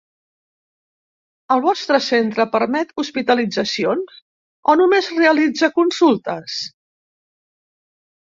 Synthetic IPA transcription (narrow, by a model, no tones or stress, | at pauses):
əlˠβɔst̪ɾəsent̪ɾəpəɾmɛt̪uspit̪əlid͡zəsionz | ɔnumezreəlid͡zəkunsulˠt̪əs